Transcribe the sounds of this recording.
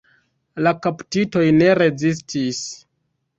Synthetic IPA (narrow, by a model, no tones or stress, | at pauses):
lakaptito̞jne̞ɾe̞zis̬tʰis